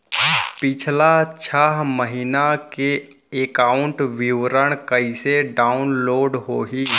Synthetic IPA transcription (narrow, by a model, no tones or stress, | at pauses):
pɪt͡ʃʰlat͡ʃʰaɦməɦinake | ekaːʊɳʈʋɪʋɾəɽ̃kəiseɖaːʊnloːɖɦoːɦi